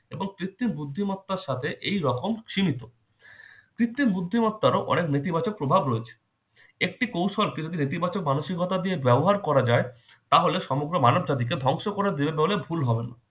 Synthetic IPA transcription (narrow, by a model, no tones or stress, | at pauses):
eboŋkɾit̪ːinbud̪ʱːimɔt̪ːaɾʃat̪ʰeʔejɾɔkomkʃimit̪o | kɾit̪ːinbud̪ʱːimɔt̪ːaɾoʔɔ̰neknit̪̬ibat͡ɕok̚pɾobʱabɾoet͡ɕʰe̥ | ek̚ʈikowʃolkid͡ʑod̪init̪̬ibat͡ɕok̚manoʃikɔt̪ad̪iebɛboɦaɾkɔɾad͡ʑae | t̪aɦoleʃɔmoɡɾomanobd͡ʑat̪̬ik̬ed̪ʱɔŋʃokoɾed̪ebebolebʱulɦɔbena